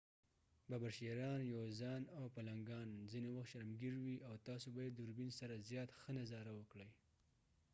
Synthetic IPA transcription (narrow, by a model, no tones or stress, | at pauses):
babaɾʃeɾɑnjawzɑnawpalaŋɡɑnzinewaxt̪ʃaɾmɡiɾwiʔawt̪ɑsobajed̪uɾbinsaɾazjɑt̪xənazɑɾawəkɽəj